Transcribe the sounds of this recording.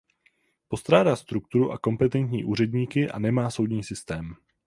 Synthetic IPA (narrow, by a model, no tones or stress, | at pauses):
po̞st̪ɾaːdaːst̪ɾuk̚t̪uɾuʔako̞mpɛt̪ɛnt̪ɲḭːʔuːrɛdɲiːkɪʔa̰nɛmaːso̞wdɲiːsɪst̪ɛːm